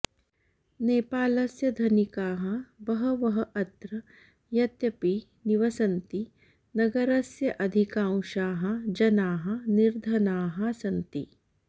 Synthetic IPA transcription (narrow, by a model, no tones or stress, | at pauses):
neːpaːlɐsjɐd̪ʱɐnikaːɦɐ̆bɐɦɐʋɐɦɐʔɐt̪ɾɐ | jɐt̪jɐpi | niʋɐsɐnt̪i | nɐɡɐɾɐsjɐʔɐd̪ʱikãːw̃ʃaːɦɐ̆d͡ʒɐnaːɦɐ̆niɾd̪ʱɐnaːɦɐsɐnt̪i